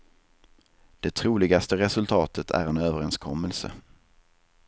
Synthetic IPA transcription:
d̪̥ɛt̪ʰɾuːlɪɡast̪əɾɛsɵlt̪ʰɑːt̪ʰət̪ʰæ̰ɾɛnøːvəɾɛnskʰɔmːəlsə̰

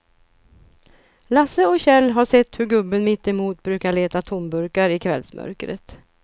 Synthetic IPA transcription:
lasəɔkɕɛlːɦaʂɛt̪ːhɵɾɡɵbːənmɪt̪ːɪmuːt̪bɾʉ̟ːkaɭeːt̪at̪ʰʊmbɵɾkaɾɪkʰvɛ̰lsmʔœ̰ɾkɾə̰t̪

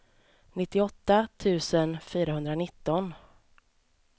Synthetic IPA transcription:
nɪt̪ːɪɔt̪ːat̪ʰʉ̟ːsənfyːɾaɦɵnd̪ɾanɪt̪ːɔn

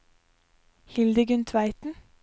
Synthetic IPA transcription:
hɪld̪əɡʉnt̪ʰʋæɪt̪n̩

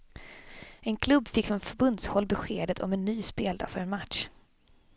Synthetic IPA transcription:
ɛnkʰlɵbːfɪkːfɾɔnfœɾbɵnd̪shɔlːbɛɧeːd̪ət̪ʰɔ̰mɛnːyːspeːld̪ɑ̰ːfœɾɛnmat̪ʂ

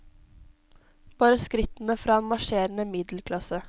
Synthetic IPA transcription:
b̥ɑːɾəskɾɪt̪n̩əfɾɑːɛnmɑʂeːɾənəmɪd̪l̩kʰlɑsə

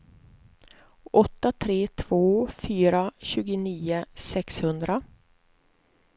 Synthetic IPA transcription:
ʔɔt̪ːat̪ʰɾeːt̪ʰv̥oːfyːɾaɕʉ̟ːɡʊniːʊsɛkshɵnd̪ɾa

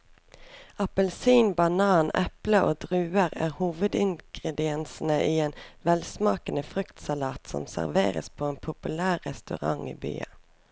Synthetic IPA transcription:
ɑpəlsiːnbɑnɑːnɛpləʔoːd̪ʁʉːəʁæ̰ːʁhuːʋəd̪ɪŋɡ̥ʁɛd̪ɪɛnsn̩əʔiːeːnʋɛlsmɑːkənəfʁʏkt̪sɑlɑːt̪sɔ̰msæ̰ʁʋḛːʁə̰spʰoːeːnpʰʊpʉlæːʁɛst̪ʉʁɑ̰ŋḭːby̰ːɑ̰

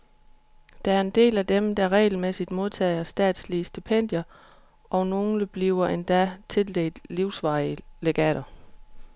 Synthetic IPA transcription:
d̥ɑæɐe̝nd̥e̝̰ːlæd̥emd̥ɑ̈ʁɛ̰ɪl̩mesid̥mo̝ð̞ˠt͡sʰɛ̰ːɪɐsd̥ɛ̰ːd̥sliəsd̥ipʰen̰d̥jɐ | ʔɒ̽no̝ːnəb̥liʊɐʔe̝nd̥æt͡sʰe̝ld̥e̝̰ːd̥liʊsʋɑ̈ɪəleɡ̥ɛ̰ːɾɐ

